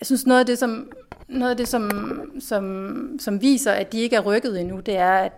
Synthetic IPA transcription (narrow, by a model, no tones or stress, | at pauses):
jjɑɪsynsno̽ːðˠæd̥e̝sɒ̽mno̽ːðˠæd̥e̝sɒ̽msɒ̽msɒ̽mʋḭːsɐʔæd̥ie̝ɡ̥əæɐʁœɡ̥ð̞̩ˠinud̥e̝æɐæd̥